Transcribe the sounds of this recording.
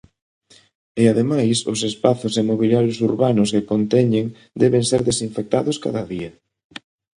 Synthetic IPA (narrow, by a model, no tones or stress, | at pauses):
ɪaðemajsʊ̰sespaθʊsemoβiljaɾjʊsuɾβanʊskekont̪ɛɲeŋ | d̪ɛβeŋseɾðesiɱfek̚t̪aðʊska̰ðɐðiɐ